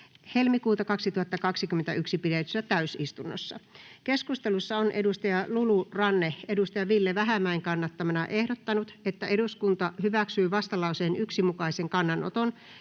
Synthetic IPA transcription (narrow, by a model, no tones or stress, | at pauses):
helmikuːt̪ɑkɑksit̪uhɑt̪ːɑkɑksikymːent̪æyksipiɾet̪y̥sæt̪æysist̪unːo̰sːɑ̰keskust̪elusːɑonʔedust̪ɑjɑlulurɑnːeedust̪ɑjɑʋilːeʋæɦæmæiŋkɑnːɑt̪ːɑmɑnɑʔehdot̪ːɑnut̪et̪ːæʔeduskunt̪ɑhyʋæksyːʋɑst̪ɑlɑuseːnyksimukɑiseŋkɑnːɑno̰t̪on